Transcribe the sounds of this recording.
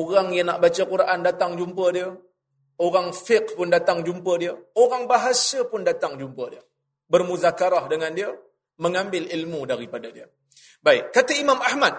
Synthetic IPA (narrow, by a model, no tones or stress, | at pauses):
oɣaŋjaŋnaʔbat͡ʃakuɾaʔandat̪aŋd͡ʒumpədiə | oɾaŋfɪqpʊndat̪aŋd͡ʒumpədiəoɾaŋbaɦasəpʊndat̪aŋd͡ʒumpədiə | bərmuzakaɾahdəŋandiə | məŋambɪlilmudaɾipadadiə | baɪkkːat̪aimamahmat̪̚